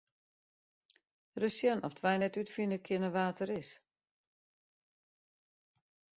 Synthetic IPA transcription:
rəsjənɔftʰʋɛjnɛtytfinəkʰɪnəʋaːtəɾɪs

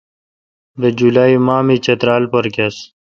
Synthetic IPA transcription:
bed͡ʑulaːimaːmit͡ɕɐt̪ɾaːlpɐɾkes

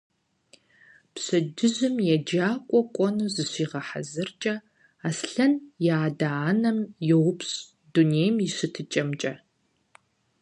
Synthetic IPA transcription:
pɕɐdɨʑɪmjɛd͡ʒaːkʷʼɔkʷʼɔnuːzɨɕiːʁɐħa̰zɨrt͡ʃʼɐ | aːsɬɐnjaːdaːnɐmjɛwʊpɕʼ | d̥uneːjmɪɕɨtʰɨt͡ʃʼɐmt͡ʃʼɐ

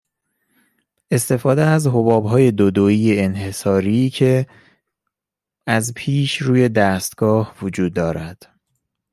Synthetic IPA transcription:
e̞st̪ʰe̞fɒːd̪eæzɦobɒːbɦɒːje̞d̪od̪oiːjeenhe̞sɒːɾiːcʰe̞ | æzpʰiːʃɾuːje̞d̪æst̪ɡ̥ɒːhvod͡ʒuːd̪̚ːɒːɾæd̪̥

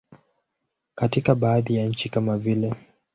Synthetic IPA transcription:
katikaɓaːðijaɲ̩t͡ʃikamavilɛ

